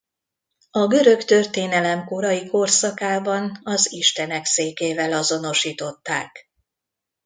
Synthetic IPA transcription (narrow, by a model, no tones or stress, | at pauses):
ɒɡø̞ɾø̞kt̪ørt̪eːnɛlɛmko̞ɾɒjiko̞rsɒkaːbɒnɒziʃt̪ɛnɛkseːkeːvɛlɒzo̞no̞ʃiːt̪o̞t̪ːaːk